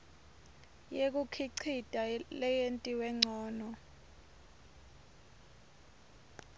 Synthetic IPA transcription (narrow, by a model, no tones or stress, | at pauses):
jek̬ukʰiǀʰid̥ʱʼalɛjentʼiwɛŋ͡ǀʱɔːnɔ